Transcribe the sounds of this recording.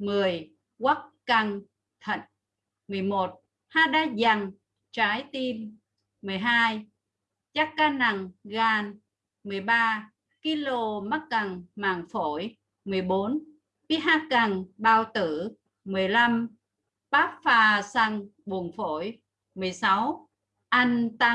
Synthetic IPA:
mɨ˨˩əj | ɣwa˦˥k̚ka˧ŋ | t̪ʰə̰˧˨ŋ̚ | mɨ˨˩əjmo˨˩t̚ | haː˧ɗaː˧za˧˩ŋ | t͡ɕaː˨˦jt̪i˧mː | ɨ˨˩əjɦaː˧j | t͡ɕa˦˥kkaː˧na˨˩ŋɣaː˧˩n | mɨ˨˩əjɓaː˧ | ki˧lo˧ma˦˥t̚ka˨˩ŋma̰ː˧˨˩ŋfo˧˩˦j | mɨ˨˩əjɓo˨˦n | fi˦˥ɦaː˧˥ka˨˩ŋɓaː˧wt̪ɨ˧˩ | mɨ˨˩əjla˧m | ɓaː˦˥k̚faː˧˩sa˧ŋɓu˨˩ənfo˧˩j | mɨ˨˩əjsa˨˦w | ʔa˧jŋt̪a˧

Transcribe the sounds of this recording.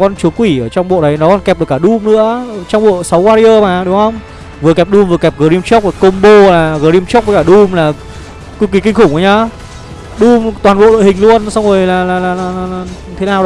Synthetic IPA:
kɔ˧nt͡ɕu˨˦əkwi˧˩ʔəː˧˩t͡ɕwŋ͡mɓo̰˧˨ɗə˨˦jnɔ˨˦kɔ˧nkɛ˨˩p̚ɗɨ˨˩ə˩kaː˧˩ɗu˧mnɨ̰˧˥ət͡ɕɔ˧wŋ͡mɓo̰˧˨sa˨˦wkwaː˧ɾi˧əː˧maː˨˩ɗʊ˨˦ŋ͡mhə˧wŋ͡m | vɨ˨˩kɛ˨˩p̚ɗu˧mvɨ˨˩kɛ˨˩p̚ɣəː˨˩ɾi˧mt͡ɕɔ˦˥k͡p̚ːko˧mɓo˧laː˨˩ɣəː˨˩ɾi˧mt͡ɕ̚əː˨˦kaː˧˩ɗu˧mlaː˨˩ | ki˧˦kwi˨˦kï˧ŋ̟xʊ˧˩ŋ͡mʔə˨˦jɲaː˧˩ | ɗu˧mt̪waː˨˩nɓo̰˧˨ɗo̰˧˨hï˨˩ŋ̟lu˧ənsa˧wŋ͡mzo˨˩jlaː˨˩laː˨˩laː˨˩laː˨˩laː˨˩laː˨˩ɲ˨˧˩t̪ʰe˨˦naː˨˩wɗə˨˦

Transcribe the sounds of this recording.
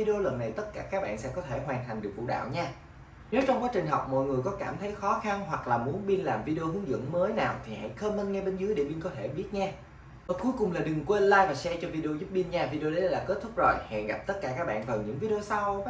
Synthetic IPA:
i˧ɗi˧o˧lə˨˩nːa˨˩jt̪ə˦˥t̚kaː˧˩kaː˦˥k̚ɓa̰ː˧˨nsɛ̰˧˥kɔ˨˦t̪ʰe˧˩ɦwaː˨˩nt̪ʰa˨˩jŋ̟ɗɨ˨˩ək̚vṵ˧˨˩ɗa̰ː˧˨wɲaː˧ | ne˨˦t͡ɕɔ˧wŋ͡mkwaː˨˦t͡ɕï˨˩ŋ̟ɦɔ˨˩wk͡p̚mɔ̰˧˨jŋɨ˨˩əjkɔ˨˦kaː˧˩mt̪ʰə˨˦jxɔ˨˦xa˧nɦwa˨˩k̚laː˨˩mu˨˦ənɓi˧nlaː˨˩mvi˧ɗe˧o˧hɨ˨˦əŋzɨ̰˧˥əŋməː˨˦jnaː˨˩wt̪ʰi˨˩ha̰˧˩˨jxəː˧mːə˧nŋɛ˧ɓe˧nzɨ˨˦əjɗe˧˩ɓi˧nkɔ˨˦t̪ʰe˧˩ɓi˦˥ət̚ɲaː˧ | ʔəː˨˩ku˨˦jkʊ˨˩ŋ͡mlaː˨˩ɗɨ˨˩ŋkwe˧nlaː˧jvaː˨˩sɛ˧t͡ɕɔ˧vi˧ɗi˧o˧zu˦˥p̚ɓi˧ənɲaː˧vi˧ɗe˧o˧ɗə˨˦laː˨˩ke˦˥t̚t̪ʰʊ˦˥k͡p̚zo˨˩jhɛ̰˧˨ɣa˨˩p̚t̪ə˦˥t̚kaː˧˩kaː˦˥k̚ɓa̰ː˧˨nvaː˨˩wɲɨ̰˧˥ŋvi˧ɗi˧o˧sa˧w

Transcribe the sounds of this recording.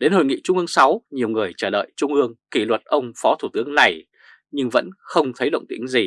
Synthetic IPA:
ɗe˨˦nho̰˨˩jŋḭ˧˨t͡ɕʊ˧ŋ͡mʔɨ˧əŋsa˨˦wɲi˨˩əwŋɨ˨˩əjt͡ɕəː˧˩lə̰ː˧˨jt͡ɕʊ˧ŋ͡mʔɨ˧əŋki˧˩lwə˨˩t̚ʔə˧wŋ͡mfɔ˨˦t̪ʰu˧˩t̪ɨ˨˦əŋna˨˩j | ɲɨ˧ŋvə̰˧˥nxə˧wŋ͡mt̪ʰə˨˦jɗə̰˧˨wŋ͡mt̪ḭ˧˦˥əŋzi˨˩

